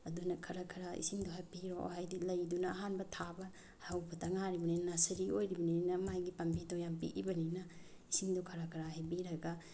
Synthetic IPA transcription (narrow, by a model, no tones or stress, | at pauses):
ɐdunɐkʰɐɾakʰɐɾaḭsiŋduhajpiɾohajdilɐjdunɐːɦanbɐtʰabɐ | hawbɐtɐŋaɾibɐninnasɐɾiojɾibɐninɐmajɡipambitɔjampḭʔḭbɐninɐ | isiŋdɔkʰɐɾakʰɐɾaɦajbiɾɐɡa